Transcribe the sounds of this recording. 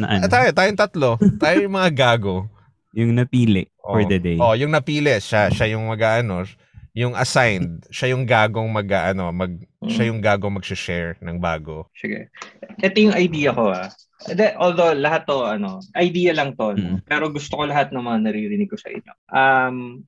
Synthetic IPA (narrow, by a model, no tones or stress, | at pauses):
nɐ̰ʔɐt̪aːjot̪aːjoŋt̪ɐt̪lo̞t̪aːjojʊŋmɐŋaɡaːɡo̞ | jʊŋnɐpiːlɛʔʔoɔɹd̪ɐd̪ejʔo̞ʔjʊŋnɐpiːlɛʃaʃajʊŋmɐɡaːʔɐno̞ | jʊŋʔɐ̰sajnd̪̚ʃajʊŋɡaːɡo̞ŋmɐɡʔaːʔɐno̞mɐɡ̚ʃajʊŋɡaːɡoŋmɐɡ̚sɪʃɛɹnɐŋba̰ːɡo̞sɪɡɛ̰ʔɛt̪ojʊŋɐjd̪iːjɐko̞ha̰ | d̪ɛʔoːld̪owlɐɦat̪ːoʔɐno̞ʔɐjd̪iːjɐlɐŋt̪onpɛːɾo̞ɡʊst̪oko̞lɐɦat̪̚nɐŋmɐŋanɐɾiɾɪnɪɡ̚kːosɐ̰ʔɪ̰ɲo̰ʔɐm